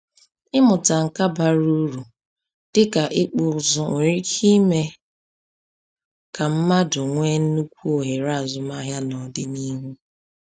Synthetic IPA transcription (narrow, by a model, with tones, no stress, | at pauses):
ɪ˦mʊ˨ta˨ŋ̩˨ka˦ba˨ɾu˦ɾu˨ | d̥ɪ˦ka˨ʔɪ˦k͡pʊ˨ʊ˨zʊ˨ʊ˨ɾi˦kʰi˦me˦ | ka˨m̩˦ma˦dʊ˨ŋʷe˦n̩˦nu˦kʷu˦o˨ɦe˨ɾa˦a˨zʊ˨ma˦ɦja˦nɔ˨dɪ˦ni˦ɦu˦